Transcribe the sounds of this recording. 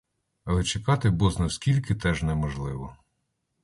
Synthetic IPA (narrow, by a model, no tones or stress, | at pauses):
ɐlˠɛt͡ʃekɑt̪ɪbɔznɐwskʲilʲkɪt̪ɛʒnɛmɔʒlˠɪʋɔ